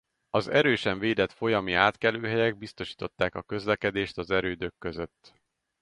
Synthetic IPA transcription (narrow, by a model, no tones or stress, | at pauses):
ɒzɛɾøːʃɛɱveːd̪ɛt̪fo̞jɒmiaːt̪kɛløːɦɛjɛɡ̚bist̪o̞ʃi̥ːt̪o̞t̪ːaːkɒkø̞zlɛkɛd̪eːʃt̪ɒzɛɾøːd̪økːø̞zøt̪ː